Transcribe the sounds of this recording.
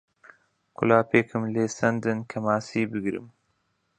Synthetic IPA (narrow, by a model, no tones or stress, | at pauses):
kʰʊ̰laːpʰeːkʰɨmleːsɐnd̪ɨnkʰɐmaːsiːbɨɡɾɨ̰m